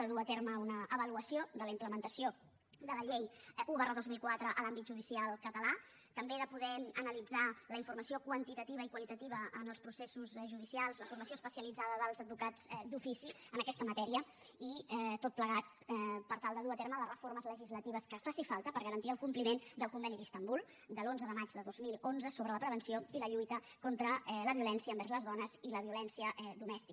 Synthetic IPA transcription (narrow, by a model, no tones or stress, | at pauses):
əðuət̪eɾməunəʔəβəluəsiod̪ələimpləmənt̪əsio | d̪ələʎejuβərəðozmilˠkwat̪ɾəʔəlambit̪̚ʒuðisialˠkət̪əla | t̪əmbeðəpuðɛmənəlid͡zaləiɱfurməsiokwənt̪it̪ət̪iβ̞əikwəlit̪ət̪iβəənəlˠspɾusesuzʒuðisialˠzləfurməsioəspəsiəlid͡zaðəðəlˠzəd̪bukad͡zd̪ufisiənəkɛst̪əmət̪ɛɾiə | iɛt̪ot̪̚pləɣat̪̚ | ɛpəɾt̪alˠd̪əðuət̪eɾmələrəforməzləʒizlət̪iβ̞əskəfasifalˠt̪əpəɾɣəɾənt̪iəlˠkumplimend̪əlˠkumbɛniist̪əmbulˠ | d̪əlonzəðəmad͡ʒd̪əðozmilˠonzəsoβɾələpɾəβənsioiləʎujt̪ə | kɔnt̪ɾələβiulɛnsiəːmbɛɾzləzðɔnəziləβiulɛnsiəʔɛd̪umɛst̪ik